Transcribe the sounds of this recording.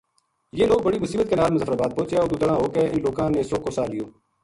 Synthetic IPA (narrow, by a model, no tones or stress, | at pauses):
jeːloːɡ̚bəɽiːmʊsiːbət̪keːnaːlɾməzəfɾaːbaːd̪̚põːt͡ʃeːoːɾd̪ʊd̪əɽãːɦoːkeːʔɪnloːkãːneːsoːkoːsaːlɪjoː